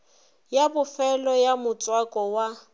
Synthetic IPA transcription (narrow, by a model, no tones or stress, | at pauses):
jabʊfɛlɔjamʊt͡sʼwakʼɔwa